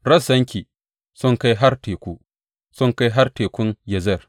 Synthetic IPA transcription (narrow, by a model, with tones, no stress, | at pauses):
ɾɐ˦sɐ˦ŋkʲiː˨ | sʊ˦ŋka˦jɦa˦rteː˨kʷu˦ | sʊ˦ŋka˦jɦa˦rteː˨kʷʊ˦njɐ˨zɛ˦˨r